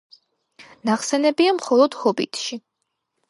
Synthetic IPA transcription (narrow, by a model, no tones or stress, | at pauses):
naχsɛnɛbiamχɔlˠɔd̪̥hɔbḭt̪ʰʃi